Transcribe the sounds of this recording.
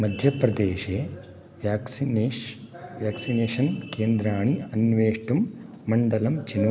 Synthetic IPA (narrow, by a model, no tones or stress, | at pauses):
mɐd̪ʱjɐpɾɐd̪eːʃeː | ʋjaːksin | ʋjaːksineːʃɐnkeːnd̪ɾaːɳiɐnʋeːʂʈumː | ɐɳɖɐlɐmt͡ʃinː